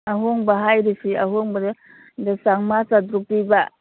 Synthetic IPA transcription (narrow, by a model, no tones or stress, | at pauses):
aɦoŋbaɦajɾisiaɦoŋbɐd | desaŋmasadɾukɾiba